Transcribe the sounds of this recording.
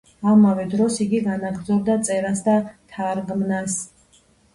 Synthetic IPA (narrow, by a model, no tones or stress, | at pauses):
amavɛd̪ɾɔsiɡiɡanaɡɾd̪zɔb̚d̪at̪sʼɛɾasd̪at̪ʰaɾɡmnas